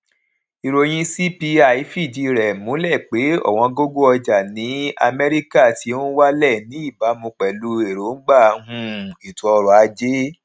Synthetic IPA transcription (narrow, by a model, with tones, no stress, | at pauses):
i˧ɾo˧j̃ĩ˧si˦pi˧a˨i˨˦fi˦˨d͡ʒi˧˨ɾɛ˨mũ˨˦lɛ˦˨k͡pe˨˦ɔ̰˦˨w̃ɔ̃˧ɡo˦ɡo˦ɔ˧d͡ʒa˨nĩ˨˦a̰˧mɛ˦ɾi˦ka˦˨ti˨˧˦õ˦wa˦lɛ˦˨nĩ˨˦i˦˨ba˨˦mũ˧k͡pɛ˨lu˧˦e˨ɾo˨˦n̩˦ɡ͡ba˦˨˧ɦũ˦˧˦i˨tũ˨˧ɔ˧ɾɔ˨a˧d͡ʒe˦